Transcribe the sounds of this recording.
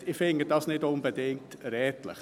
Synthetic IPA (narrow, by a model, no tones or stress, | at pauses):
ɪfɪŋɡədɑsnɪdʊnbədɪŋk̚tɾɛːtlə̰χ